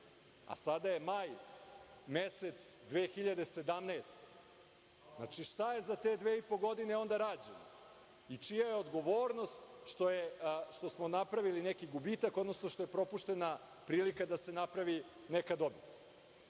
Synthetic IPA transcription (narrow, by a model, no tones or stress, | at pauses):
a̰sad̪aje̞maj | meset̪sd̪ʋe̞ːxiʎad̪ese̞d̪amnaest̪e̥ | zna̰t͡ʃiʃt̪aje̞zat̪e̞d̪ʋeːipo̞ɡo̞d̪ineo̞nd̪aɾaːd͡ʑena̰ | it͡ʂijaje̞od̪ɡo̞ʋo̞ːɾno̞st̪ʃt̪ojeʃt̪o̞smonapɾaʋilinekiɡubit̪ako̞d̪no̞snoʃt̪ojepɾo̞puʃt̪e̞na | pɾiːlikad̪ase̞napɾaʋi | nekad̪o̞bit̪